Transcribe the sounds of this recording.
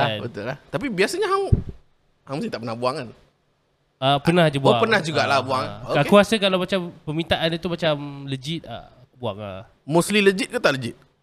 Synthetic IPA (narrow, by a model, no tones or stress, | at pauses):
abət̪ʊllaht̪apibiasaɲaɦaŋ | haŋməst̪it̪aʔpənahbuaŋan | apənãhd͡ʒabuaŋpənahd͡ʒuɡaʔlahbuaŋaokakkuasəkalawmat͡ʃampəmĩnt̪aʔanit̪umat͡ʃamləd͡ʒit̪̚a̰ | buaŋa̰ | musliləd͡ʒit̪̚kut̪aʔləd͡ʒit̪̚